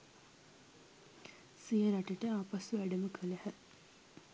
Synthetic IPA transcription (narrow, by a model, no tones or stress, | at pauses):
sijəɾaʈəʈəaːpasuæɖəməkʰələhə